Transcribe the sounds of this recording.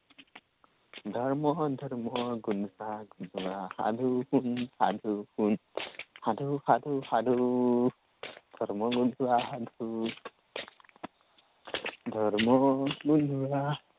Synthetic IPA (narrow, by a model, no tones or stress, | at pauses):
dʱɔɹmɔdʱɔɹmɔɡunaɡundwaha̰duhunha̰duhunhaduhaduhadu | d̥̪ʱɔɹmɔɡundwahadu | dʱɔɹmɔɡunwa